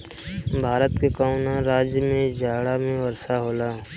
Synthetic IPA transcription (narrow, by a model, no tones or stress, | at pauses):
bʱaːɾət̪kekaːʊnãɾaːd͡ʒjəmẽd͡ʒaːɽamẽʋɐɾsaɦoːlaː